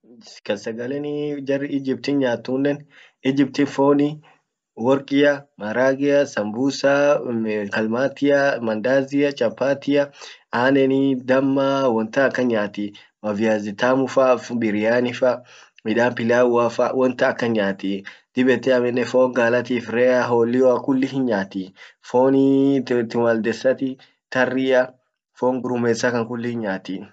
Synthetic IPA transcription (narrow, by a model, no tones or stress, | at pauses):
kɐsɐɡɐlɛnɪd͡ʒɐrːɪɪd͡ʒɪb̚t̪inɲaːt̪ːuːnːɛn | ɪd͡ʒɪp̚t̪infoːnɪ | wɔɾkʼɪjɐmɐɾaːɡɪjɐsɐmbuːsa | kɐlmaːt̪ɪjɐmɐnd̪aːzɪjɐt͡ʃʼɐpːaːt̪ɪjɐaːnɛnid̪ɐmːawɔnt̪ɐɐkːɐnɲaːt̪i | mɐvɪjaːzɪt̪aːmʊfɐfbɪɾɪjaːnɪfɐ | mɪᶑaːmpɪlaːwaːfɐwɔnt̪ɐːkːɐɲaːt̪id̪̥ɪbɛt̪ːɛɐmɛnːɛfoːŋɡaːlɐt̪̬iːfɾɛːɐɦoːlːɪjɔɐkʊlːɪhɪnɲaːt̪ifoːnit̪ɪwɐld̪ɛsːɐt̪ɪ | t̪ɐrːɪjɐ | foːŋɡʊɾʊmɛːsɐkɐŋkʊlːɪhɪnɲaːt̪i